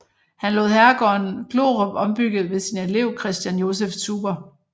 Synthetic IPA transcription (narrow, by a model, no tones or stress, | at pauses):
hænlɔ̰ːð̩ˠɦæɐɡ̥ɒːnɡ̥lo̝ːʁɔb̥ɒ̽mb̥yɡ̥ð̞̩ˠʋe̝sine̝le̝ʊ̰kʰʁɛsd̥jænjo̝s̬eft͡sʰuːb̥ɐ